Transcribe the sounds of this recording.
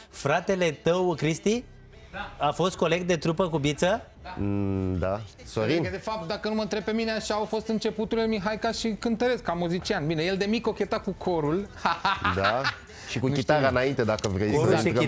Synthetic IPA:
fɾat̪e̞le̞t̪əwkɾist̪i | afo̞st̪̚ko̞le̞ɡ̚t̪d̪e̞t̪ɾupəkubit̪sə | d̪a | soɾind̪efap̚t̪̚d̪akənumənt̪ɾe̞b̚pe̞mineaʃaːwfo̞st̪ɨnt͡ʃe̞put̪ulelmiɦajkaʃikɨnt̪əɾe̞skamuzit͡ʃianbine̞je̞ld̪e̞mikokʲet̪akukʰoɾulad̪a | ʃikuit̪aɾaɨnaint̪ed̪akəvɾejoɾui

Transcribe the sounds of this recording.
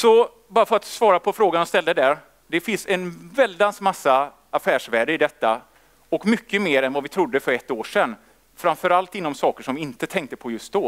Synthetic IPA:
sɔ | bɑːɾafœɾat̪svɑːɾapʰɔfɾoːɡanɔst̪ɛld̪əd̪æɾ | d̪ɛfɪnsɛnvɛld̪ansmasːa | afæːʂvæːɖəɪd̪ɛt̪ːa | ɔkmʏkːəmeːɾɛnvavɪt̪ʰɾʊd̪ːəfœɾɛt̪ːoːʂɛnː | fɾamfœɾalt̪ɪnːɔmsɑːkəʂɔmvɪɪnt̪ət̪ʰɛŋk̚t̪əpʰɔjɵst̪̚d̪ɔ

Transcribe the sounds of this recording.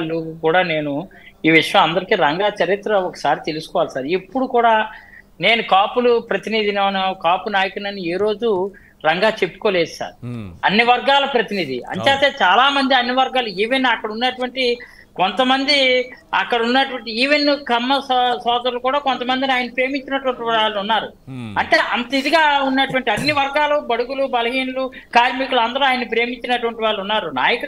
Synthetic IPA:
lːukuːɽaːne̞ːnuiːʋiʂɐjɐ̃mɐnd̪ɐɾikiːɾɐŋɡaːt͡ʃɐɾit̪ɾɐɔkːɐ̥saːɾit̪elusukɔːʋaːlsaːɾepːuɽukuːɽaː | ne̞ːnukaːpulupɾɐt̪inid̪inɐʋnɐkaːpunaːjɐkuɽnɐnːieːɾo̞ːd͡ʒu | ɾɐŋɡaːt͡ʃepːu̥koːlɛːssa̰ːɾɐnːiʋɐɾɡaːlɐpɾɐt̪inid̪ḭɐ̰ɲt͡ʃeːt̪eːt͡ʃaːlaːmɐnd̪iɐnːiʋɐɾɡaːluiːʋenːɐkːɐɽunːɐʈuʋɐɳʈi | ko̞nt̪ɐmɐnd̪iɐkːɐɽɐunːɐʈuʋɐɳʈiiːʋenːkɐmːɐssɔːd̪ɐɾulukuːɽaːko̞nt̪ɐmɐnd̪iniaːjɐnɐipɾe̞ːmiɲt͡ʃːinɐʈuʋɐɳʈiʋaːɭːunːaːɾṵ | ɐɳʈe̞ːʔɐnt̪ɐid̪iɡaːunːɐʈuʋɐɳʈiɐnːiʋɐɾɡaːlubɐɽuɡulubɐlɐɦiːnulu | kaːɾmikuluɐnd̪ɐɾuaːjɐnːipɾe̞ːmiɲt͡ʃːinɐʈuʋɐɳʈiʋaːɭːunːaːɾuna̰ːjɐk

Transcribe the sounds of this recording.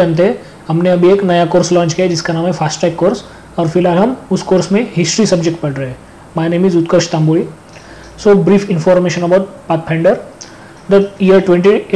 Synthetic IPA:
aːnt̪̬eɦɛ̃ | hɐmneɐbʱieːknɐjakoːɾslɔ̃ːnt͡ʃkijad͡ʒɪskanaːmɦɛfʰaːsʈaɪkːoːɾs | ɔːɾfɪlɦaːlɦɐmʊskoːɾsmẽɦɪsʈɾisɐbd͡ʒek̚ʈ̚pɐɽɾɐɦe | maːneːmiːzʊt̪kəɾʃt̪ãːmbuːɭi | soːbɾiːfɪ̃nfɔːɾmeːʃə̃nɐbaːʊʈ̚paːt̪̚pʰɛ̃ːɳɖəɾ | d̪ɐʈiːəɾʈwẽɳʈi

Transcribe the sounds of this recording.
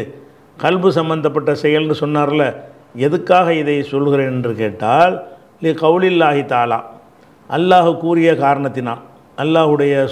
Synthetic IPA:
kɐlbɯsɐmbɐnd̪ɐp̬ːɐʈːɐsɛjɐlnɯsɔnːaːɾɐlɐ | ɛðɯkːaːɣɐɪðɐɪsɔlɣɪɾeːnɛndrɯkeːʈːaːl | lɪqɐʊlɪlːaːɦɪt̪aːla̰ː | ʔɐlːaːɣɯkːuːɾɪjɐkaːɾɐɳɐt̪ːɪna̰ːm | ɐlːaːɣɯɽɐjɐ

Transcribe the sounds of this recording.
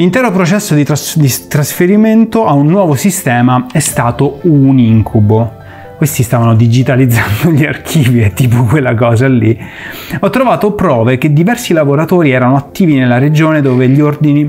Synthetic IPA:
lint̪ɛːɾopɾot͡ʃɛsːod̪it̪ɾasd̪it̪ɾasfeɾiment̪oʔaunːwɔːvosist̪ɛːmaɛst̪aːt̪ouniŋkʰubo | kwest̪ist̪aːvanod̪id͡ʒit̪alid̪zːand̪oʎiarkʰiːviɛt̪ːiːpokwelːakɔːzalːi | ɔt̪ːɾovaːt̪opɾɔːveked̪ːivɛrsilavoɾat̪oːɾiɛːɾanoat̪ːiːvinelːaɾed͡ʒoːned̪oːveʎiord̪ini

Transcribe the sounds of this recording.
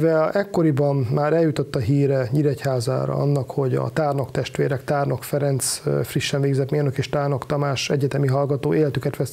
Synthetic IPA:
vɛɛkːo̞ɾibɒmmaːɾɛljut̪o̞t̪ːɒɦiːɾɛɲiɾɛchaːza̰ːɾɒ̰ɒnːɒkho̞ɟɒ̰t̪aːrno̞kt̪ɛʃt̪ʋeːɾɛkt̪aːrno̞kfɛɾɛnt̪sfriʃːɛnveːɡzɛt̪meːnøkeːʃt̪aːrno̞kt̪ɒmaːʃɛɟɛt̪ɛmiɦɒlɡɒt̪oːeːlɛt̪ykɛt̪ʋɛs

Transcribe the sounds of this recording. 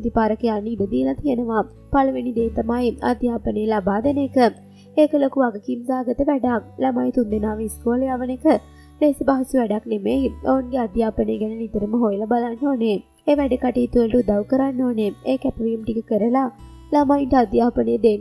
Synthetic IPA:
d̪ipaːɾəkəjanːiːd̪əd̪iəlat̪iənəʋa | palʋenid̪eːt̪ɐmaːja̰d̪jaːpənejəlabaːd̪ənəkə | ekəlokuaɡəkimsaːɡət̪əʋæɖak̚lamaːjt̪und̪enaːʋiiskoːlejaːʋənekə | leːsəbaɦɐsuʋæɖaknemejoʋuŋɡead̪jaːpəneɡɛnənit̪əɾəməɦojelɐbalanːoːne | eʋæɖəkaʈiːt̪uəʈud̪awkəɾanːoːneeːkɛpəʋijumʈikəkəɾəlalamaːinʈəad̪jaːpənejd̪en

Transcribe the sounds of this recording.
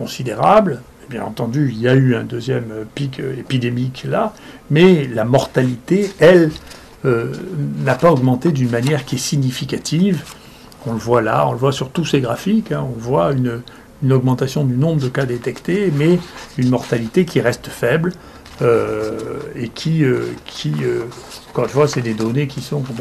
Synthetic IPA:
kɔ̃sid̪eʁabl | ebjɛ̰̃nɑ̃t̪ɑ̃d̪yiljayɛ̰̃d̪øzjɛmøpikø̰epid̪emiklamɛlamɔʁt̪alit̪eɛl | ønapaɔɡmɑ̃t̪ed̪ynmanjɛʁkʲiɛsiɲifikat̪ʰiv | ɔ̃ləvwala̰ɔ̃ləvwasyʁt̪useɡʁafikɛ̃ɔ̃ləvwayn | ynɔɡmɑ̃t̪asjɔ̃d̪ynɔ̃bʁəd̪əkad̪et̪ɛkt̪emɛynmɔʁt̪alit̪ekʲiʁɛst̪fɛbl | ø | ekʲʰiøkʲʰiøɑ̃kɔʁynfwasɛd̪ed̪ɔnekʲisɔ̃kɔ̃pɛ

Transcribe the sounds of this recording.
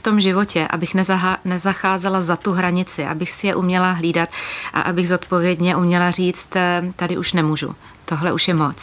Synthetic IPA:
ft̪o̞mʒɪvo̞cɛʔa̰bɪxnɛznɛzaxaːzɛlazat̪uɦɾaɲɪt͡sɪʔa̰bɪxsɪjɛʔumɲɛlaɦliːdat̪ʔa̰ʔabɪɣzo̞t̪po̞vjɛdɲɛʔumɲɛlariːt͡st̪t̪adɪʔuʃnɛmuːʒṵ | t̪o̞ɦlɛʔuʃjɛmo̞t͡s

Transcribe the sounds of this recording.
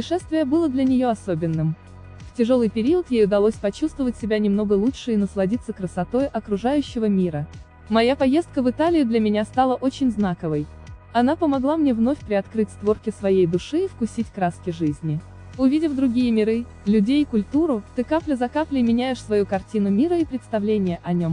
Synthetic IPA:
pəɪʂɛst̪vʲɪjəbɨlˠəd̪lʲɐnʲɪjo̞ɐsobʲɪnːɨm | ftʲɪʐo̞lˠɨjpʲɪɾʲiət̪jejʊd̪ɐlˠosʲpɐt͡ɕust̪vəvətʲsʲɪbʲanʲɪmno̞ɡəlˠuʂɨɪnəslˠɐdʲit̪sːəkɾəsɐt̪o̞jʔɐkɾʊʐajʉɕːɪvəmʲiɾə | mɐjapɐjest̪kəvɨt̪alʲɪjʊd̪lʲəmʲɪnʲast̪alˠəʔot͡ɕɪnʲznakəvəj | ɐnapəmɐɡlˠamnʲevno̞fʲpɾʲɪɐt̪kɾɨtʲst̪vo̞rkʲɪsvɐjejd̪ʊʂɨifkʊsʲitʲkɾaskʲɪʐɨzʲnʲɪ | ʊvʲidʲɪfd̪ɾʊɡʲijəmʲɪɾɨ | lʲʉdʲejkʊlʲt̪uɾʊt̪ɨkaplʲɪzɐkaplʲɪmʲɪnʲæjɪʂsvɐjukɐrtʲinʊmʲiɾəipɾʲɪt̪st̪ɐvlʲenʲɪjəʔɐnʲo̞m

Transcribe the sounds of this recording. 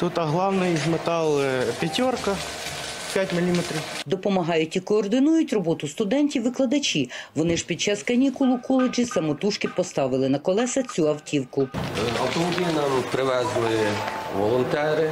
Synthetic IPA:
t̪ut̪ɐɦlˠɑwnɪjzmet̪ɑlˠpʲɐtʲɔrkɐ | pʲatʲmɪlʲimet̪ɾʲiwd̪ɔpɔmɐɦɑjʊtʲikɔːrd̪ɪnujʊtʲrɔbɔt̪ʊst̪ʊd̪ɛnʲtʲiwʋɪklˠɐd̪ɐt͡ʃʲiʋɔnɪʒpʲid̪̚t͡ʃɑskɐnʲikʊlˠʊkɔlˠed͡ʒisɐmɔt̪uʃkɪpɔst̪ɑʋɪlˠɪnɐkɔlˠɛsɐt͡sʲuɐwtʲʰiwkʊɐwt̪ɔmɔbʲijɐnɐmpɾɪʋɛznɔjiʋɔlˠɔnt̪ɛɾɪ

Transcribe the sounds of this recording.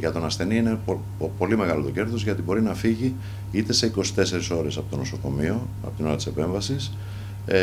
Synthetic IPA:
ʝɐt̪o̞nɐsθe̞niine | po̞lime̞ɣɐlo̞t̪o̞ce̞ɾðo̞zʝɐt̪ibo̞ɾinɐfiʝi | it̪e̞se̞iko̞si̥t̪e̞se̞ɾiso̞ɾe̞sɐpo̞t̪o̞no̞so̞ko̞mio̞ | ɐ̰po̞t̪ino̞ɾɐt̪i̥se̞pe̞ɱvɐsis

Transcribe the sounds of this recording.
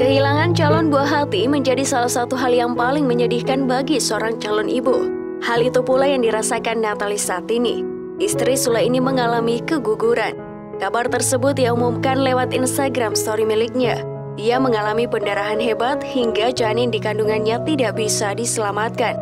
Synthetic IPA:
kəɦilaŋant͡ʃalɔnbuaɦat̪iməɲd͡ʒadisalahsat̪uɦaljaŋpalɪŋməɲədɪhkanbaɡisəoɾaŋt͡ʃalɔnʔibu | halit̪upulajaŋdiɾasakanːat̪alisaːt̪inḭ | ʔist̪ɾisulainiməŋalamikəɡuɡuɾan | kabart̪ərsəbʊt̪ijaumumkanlewat̪inst̪aɡɾamst̪oɾimilɪk̚ɲa | ʔiaməŋalamipəndaɾaɦanɦebat̪̚hiŋɡad͡ʒanɪndikanduŋanɲat̪idaʔbisadisəlamat̪̚kan

